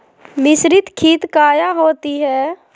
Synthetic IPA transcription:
mɪʃɾɪt̪kʰiːt̪kaːjaɦoːt̪iɦɛː

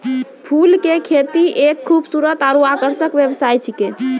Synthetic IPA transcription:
pʰulkekʰet̪iʔekʰːubsuɾət̪aɾuakəɾsəkbjəbsajt͡ʃʰike

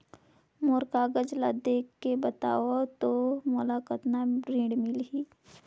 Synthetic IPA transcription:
moɾkaːɡəd͡ʒlad̪eːkːebət̪a̰ːot̪omolakət̪naɾĩːɖmɪlɦiː

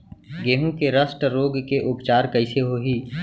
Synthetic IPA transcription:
ɡeːɦũkeɾəsʈɾoːɡkeʔʊpt͡ʃaːɾkɐɪseɦoɦiː

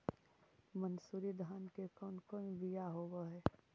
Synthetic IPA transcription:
mənsuɾid̪ʱaːnkekɔːnkɔːnbijaɦoːwaɦɛː

